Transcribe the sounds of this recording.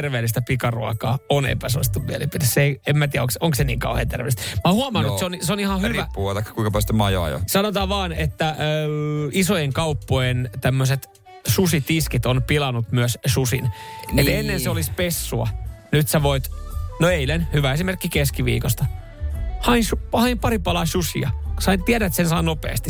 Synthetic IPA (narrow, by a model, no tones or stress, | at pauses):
erʋeːlːist̪æpikɑrṵɑkɑːonḛpæsoist̪uʋʋielimpit̪esːeiemæt̪iæoŋksoŋksenḭːŋkɑuhḛːnt̪ḛrʋḛˑlist̪mæhuɑmɑnnuseonseonihɑhyʋæpːuɑt̪ɑikːɑ̥kuiŋkɑpæst̪emɑjo̰ːjo̰sɑnot̪ɑːʋɑːnet̪ːæ | isojeŋkɑupːojent̪æmːøset̪ | susit̪iskit̪onpilɑnut̪myøssusinet̪enːenseolispesːuɑ̰nyt̪sæʋoit̪noeilenhyʋæesimerkːikeskiʋḭːkost̪ɑ | hɑinsuhɑimpɑɾipɑlɑːsusiɑsɑint̪iæɾæet̪sensɑːnopḛːst̪i